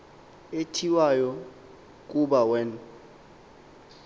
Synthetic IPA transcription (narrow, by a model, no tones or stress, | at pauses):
etʰiwajɔ | k̬ʼuɓawɛn